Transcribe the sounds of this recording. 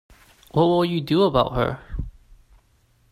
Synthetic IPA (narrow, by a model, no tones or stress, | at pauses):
wʌt̚wɪlˠjɨdɨəbaʊt̚ɦə̰˞